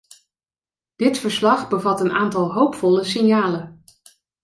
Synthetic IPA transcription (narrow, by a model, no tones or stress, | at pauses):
d̥ɪtfəɹslɑχbəvɑtənaːntɑlˠɦowpfɔləsɪnjaːlən